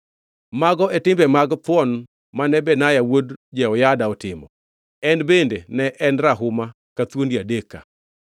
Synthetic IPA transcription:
maɡɔɛtɪmbɛmaɡt̪wɔn | manɛbɛnajawodd͡ʒɛɔjadaɔtɪmɔ̰ | ɛnbendenɛʔɛnɾaɦʊma | kat̪wondiadeka̰

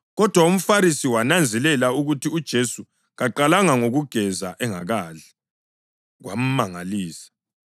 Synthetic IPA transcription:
ɣɔd̥ʱwaum̩faɾisiwanand͡zʱɛlɛlauɣutʰiud̥ʒ̥ʱesu | ɣaǃalaŋaŋoɣuɡ̥ʱɛza̰ʔɛŋa̰ɣaɮɛ̥ | ɣwa̰m̩maŋaliːsḁ

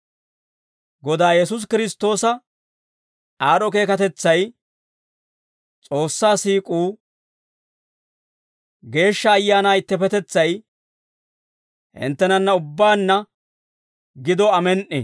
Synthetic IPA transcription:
ɡɔd̪aːjɛsʊs̬kɪɾɪst̪ːo̞ːsɐ | aːɾɔke̞ːkɐt̪ɛt͡sːɐj | t͡sʼo̞ːsːaːsiːkʼuː | ɡe̞ːʃːɐːjːaːnaːɪt̪ːɛpɛt̪ɛt͡sːɐj | hɪ̰nt̪ːɛnɐnːɐʊbːaːnːɐ | ɡɪd̪ɔɐmɛnʔɛ̰

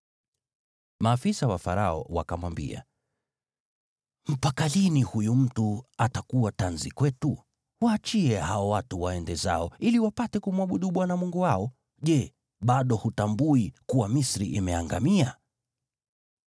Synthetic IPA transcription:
maːfisawafaɾaɔ̰wa̰kamwambḭa̰ | m̩pakalinihujum̩tuatakuwatanzikwɛtu | waːt͡ʃiɛhaɔwatuwaɛndɛza̰ɔiliwapatɛkumuwaɓuɗuɓwanamuŋɡuwaɔ | ʄɛ | ɓaɗɔhutambuikuwamisɾiʔimɛaŋɡa̰mia

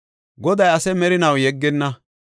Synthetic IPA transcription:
ɡɔd̪ɐjɐsɛmɛɾɪnɐwjɛɡːɪnːɐ

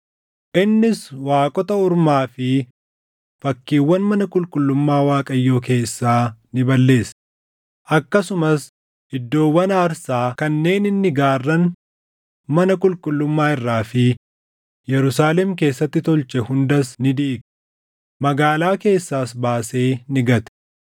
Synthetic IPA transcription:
ʔɪnːɪswaːkʼɔt̪ɐʊɾmaːfɪ | fɐkːiːwːɐnmɐnɐkʼʊlkʼʊlːʊmːaːwaːkʼɐjːo̞ːk̬e̞ːsːaːnɪbɐlːe̞ːs | ʔɐkːɐsʊmɐs | ɪd̪ːo̞ːwːɐnaːɾsaːkɐnːe̞ːnɪnːɪɡaːrːɐn | mɐnɐkʼʊlkʼʊlːʊmːaːɪrːaːfɪ | jɛɾʊsaːlɛmk̬e̞ːsːɐt̪ːɪt̪ɔlt͡ʃɛhʊnd̪ɐsnɪd̪iːk | mɐɡaːlaːke̞ːsːaːsbaːse̞ːnɪɡɐt̪ɛ̥

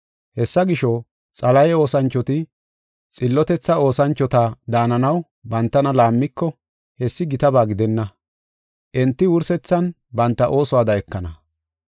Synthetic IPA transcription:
hɛsːɐɡɪʃɔ | t͡sʼɐlɐjɛo̞ːsɐnt͡ʃːɔt̪ɪ | t͡sʼɪlːɔt̪ɛt͡sːɐo̞ːsɐnt͡ʃːɔt̪aːd̪aːnɐnɐw | bɐnt̪ːɐnɐlaːmːɪkːɔ | hɛsːɪɡɪt̪ɐbaːɡɪd̪ɛnːɐ | ʔɛnt̪ːɪwʊɾsɛt͡sːɐn | bɐnt̪ːɐʔo̞ːsɔwaːd̪ɐɛkːɐnɐ

